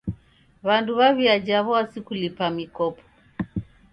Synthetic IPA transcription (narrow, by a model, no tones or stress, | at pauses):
βanduβaβiad͡ʒaβɔasikulipamikɔpɔ̥